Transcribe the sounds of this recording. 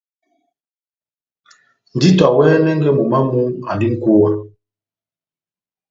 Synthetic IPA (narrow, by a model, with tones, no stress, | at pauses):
n˨di˦tɔ˨wɛː˦nɛ˦ŋ˦ɡɛ˦mu˨ma˦mu˦ŋa̰˨ndi˦ŋ̩˦ko˦wa˦